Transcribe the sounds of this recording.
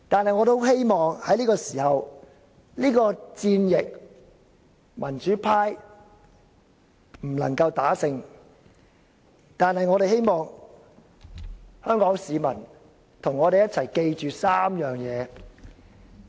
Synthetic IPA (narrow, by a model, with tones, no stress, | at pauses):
t̪aː˨nhɐ˨jŋɔː˨˧t̪o˥wɦe˥jmɔː˨ŋhɐ˨˥jliː˥kɔː˧siː˨˩hɐ˨w | liː˥kɔː˧t͡siː˧njɪ˨k̚ | mʔɐ˨˩nt͡ʃyː˨˥pʰaː˥j | m̩˨˩lɐ̰˨˩ŋkɐ˧wt̪aː˨˥sɪ˧ŋ | t̪aː˨nhɐ˨jŋɔː˨˧ɾe˨jɦe˥jmɔː˨ŋ | hœː˥ŋkɔː˨˥ŋsiː˨˧mɐ˨˩n | t̪ʰʊ˨˩ŋːɔː˨˧ɾe˨jɐ˥t̚t͡sʰɐ˨˩jke˧jt͡ʃyː˨saː˥mjœː˨˩ŋjɛː˨˧